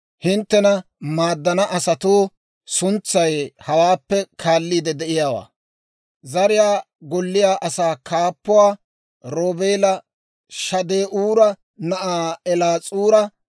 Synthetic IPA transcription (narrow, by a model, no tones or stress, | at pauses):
hɪnt̪ːɛnɐ | maːd̪ːɐnɐʔɐsɐt̪oː | sʊnt͡sːɐjhɐwaːpːɛkʰaːlːiːd̪ɛd̪ɛʔɪjaːwa̰ː | zɐɾɪjaː | ɡɔlːɪjaːʔɐsaːkaːpːʊwaː | ɾoːbeːlɐ | ʃɐd̪eːʔuːɾɐ | nɐʔaːɛlaːt͡sʼuːɾɐ